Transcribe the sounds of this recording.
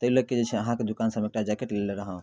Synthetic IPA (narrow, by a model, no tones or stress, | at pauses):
t̪əiləked͡ʒet͡ʃʰɛəɦãked̪ukansəbek̚ʈad͡ʒɛkeʈleleɾəɦə̃